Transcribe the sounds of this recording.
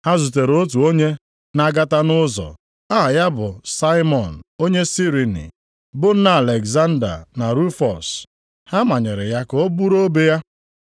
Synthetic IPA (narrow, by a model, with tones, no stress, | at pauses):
ha˦zu˨te˨ɾo˦t̬u˨o˦ɲe˦ | na˦ɡa˦ta˦nʊ˦zɔ̰˨ | a˦ɦa˨ja˦bʊ˨sa˦ɪ˦mɔ˨n̩˨o˦ɲe˦si˦ɾi˨nḭ˨ | bʊ˦n̩˦na˦a˨le˨ɡza˦n̩˦da̰˨na˨ɾu˦fɔ˨s | ha˦ma˨ɲɪ˨ɾɪ˨ja˦ko˦bu˦ɾo˦be˦ja˦